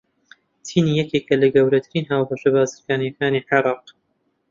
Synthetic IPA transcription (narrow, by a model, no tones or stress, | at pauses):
t̪ʰiːnijɛkeːkɐlɐɡɐwɾɐt̪ʰɨɾiːnɦaːwbɐʃɐbaːzikaːnjɐkaːniħeɾˤɑːq